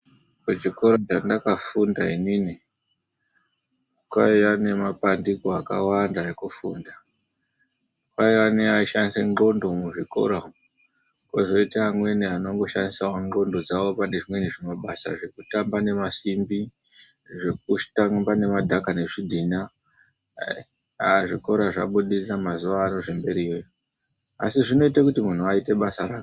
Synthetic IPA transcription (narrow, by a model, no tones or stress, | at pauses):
keʐiko̞ɾat͡ʃandakafundainini | kwaiʋane̞mapandikoaka̰wandajekufuːnda | kwaiʋaneaiʃandiseŋo̞ndo̞muʐiko̞̰ɾa | ko̞zo̞itaːmwe̞niano̞ŋɡo̞ʃandisaoŋo̞ndo̞d͡zawo̞pane̞ʐimwe̞niʐemaɓasa̰ʐe̞kutambane̞masimbi | ʐe̞k̚utambane̞madʱakane̞ʐidʱina | ʐiko̞ɾaʐa̰ɓuɗiriramazuʋaːno̞ʐe̞mbe̞ɾijojo | a̰siʐino̞itakutimun̤uaite̞ɓasaɾaːko